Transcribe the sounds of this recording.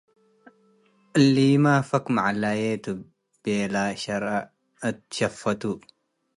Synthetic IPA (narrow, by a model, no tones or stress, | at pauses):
ʔlːiːmaːfɐkmaʕalajeːt̪u | b̥eːlaːʃɐɾa | ɨt̪̚ʃɐfːɐt̪u